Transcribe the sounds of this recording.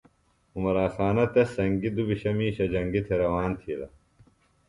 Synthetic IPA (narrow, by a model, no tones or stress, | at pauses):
umɐɾaːsaːnɐt̪esɐŋɡid̪ubiɕɐmiːɕɐd͡ʑɐŋɡit̪ʰeɾɐwaːnt̪ʰilɐ̰